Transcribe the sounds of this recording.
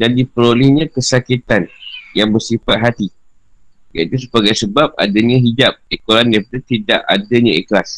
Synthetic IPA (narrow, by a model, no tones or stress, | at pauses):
dandipəɾolɛhɲãkəsakit̪anjaŋbərsifat̪̚ɦat̪i | jait̪usəpaɡajsəbap̚a̰daɲãɦid͡ʒap̚ikolandajp̚adat̪idaʔadaɲãiklas